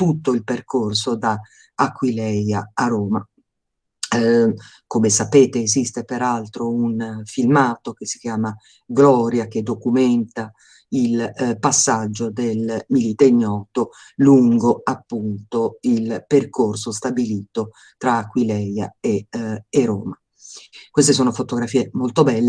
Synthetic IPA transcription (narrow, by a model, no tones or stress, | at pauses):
t̪ut̪ːoilperkorsod̪a | akːwilɛjaaɾoːma | komesapeːt̪eːzist̪epeɾalt̪ɾounfilmaːt̪ok̟esːi̥k̟jaːma | ɡlɔːɾjak̟ed̪okumɛnt̪a | ilpasːad͡ʒːod̪elmilit̪eɲːɔːt̪o | luŋɡoapːunt̪oilperkorsost̪abiliːt̪o | t̪ɾaːkːwilɛja̰eeɾo̰ːma | kwest̪es̬oːnofot̪oɡɾafiːemolt̪obɛlːe